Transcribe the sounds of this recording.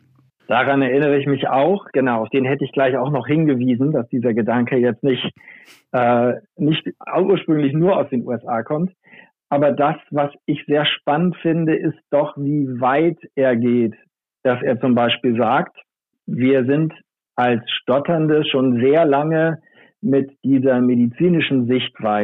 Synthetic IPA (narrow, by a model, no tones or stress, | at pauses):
d̥aʁanɛɐʔɪnəʁəɪçmɪça̰ʊxɡ̥ənaʊaʊfd̥eːnɦɛtəɪçɡ̥laɪçaʊxnɔχhɪnɡəviːzn̩dasd̥iːzɐɡədaŋkəjɛt͡stnɪçt | ʔɛːnɪçtʔuːɐʃpʁ̥ʏŋlɪçnuːɐaʊsd̥eːnṵːɛsʔaːkʰɔmt | ʔaːbɐdasv̥asɪçz̥eːɐʃpanəntfɪndəʔɪst̚d̥ɔχviːvaɪtʔeːɐɡeːt | d̥asʔeːɐt͡sʊmbaɪʃpiːlzaːkt | viːɐzɪnt | ʔalsʃtɔtɐndəʃoːnzeːɐlaŋə | mɪtd̥iːzɐmedit͡siːnɪʃn̩zɪçtv̥aɪ